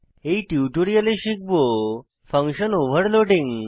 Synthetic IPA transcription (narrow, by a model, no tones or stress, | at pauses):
ɦeʈjuʈoɾijəleɕik̚bo | fə̃ŋkɕənoʋəɽloɖĩŋɡ